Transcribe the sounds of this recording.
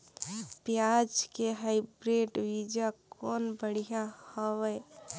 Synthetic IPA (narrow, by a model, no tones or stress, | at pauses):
pjad͡ʒkeɦaɪbɾeɖwid͡ʒakɔːnbəɽ̤ijahɔwəj